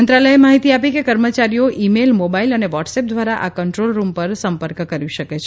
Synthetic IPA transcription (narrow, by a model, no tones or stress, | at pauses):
ənt̪ɾaləɦemaɦit̪iapikekəɾmət͡ʃaɾijoʔimelmobailəneʋɔʈsep̚d̪ʋaɾaʔakəɳʈɾolɾumpəɾsəmpəɾkkəɾʋiʃəket͡ʃʰ